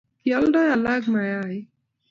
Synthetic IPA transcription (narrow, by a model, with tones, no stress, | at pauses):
kjɔ˦lɖɔ˦ja˨laɡma˨jaj